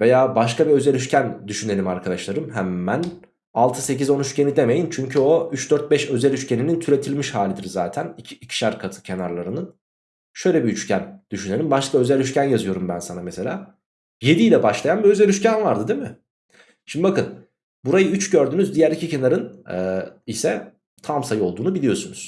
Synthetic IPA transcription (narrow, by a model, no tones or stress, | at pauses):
ve̞jaːbaʃkʰabiø̞zelʲyʃcʰænd̪yʃyne̞lʲimaɾkʰad̪aʃlˠaɾɯmɦæmːæn | alˠt̪ʰɯse̞c̬izo̞nyʃcenid̪e̞me̞jint͡ʃʰyɲcʰyo̞yt͡ʃd̪øɾt̪̚bɛʃø̞zælʲyʃcʰe̞ninint̪ʰyɾe̞t̪ʰilʲmiʃhaːlʲid̪iɾzaːt̪ʰænicʰiicʰi̥ʃæɾkʰat̪ʰɯ̥cʰe̞naɾlˠaɾɯnɯn | ʃø̞jlʲebiyt͡ʃcʰænd̪̥yʃynelʲimbaʃk̪aø̞zælʲyʃcænjazɯjo̞ɾumbænsanamese̞lʲaː | je̞d̪iːlʲɛbaʃlˠajanbiø̞zælʲyʃcænvaɾd̪ɯd̪emɪ | ʃimd̪ibakɯn | buɾajɯyt͡ʃɟø̞ɾd̪yːnyzd̪ijæɾlʲicʰice̞naɾɯnɛisɛ | t̪ʰamsajɯo̞lˠd̪uːnubilʲijo̞sunuz̥